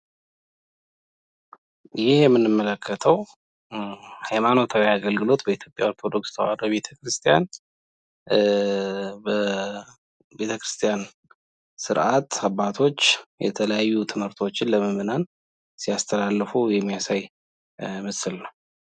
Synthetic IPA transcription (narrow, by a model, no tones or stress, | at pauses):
jɪhjɛmːɨnːɨmːələkʰːət̪ʰəw | hajmano̞t̪ʰawiaɡəlɡɨlo̞t̪bəit̪ʰjo̞pʼja̰oɾt̪ʰo̞d̪o̞kst̪ʰəwa̰ɾəβe̞t̪ʰəkɾɨst̪ʰijan | bə | be̞t̪ʰəkɾɨst̪ʰijan | sɨɾʔat̪abːat̪ʰo̞t͡ʃːjɛ̰t̪ʰələjajːut̪ʰɨmhɨɾt̪ʰo̞t͡ʃːɪnləməmɨnan | sijast̪ʰəlalːɨfujɛmːijasaj | mɨsɨlnəw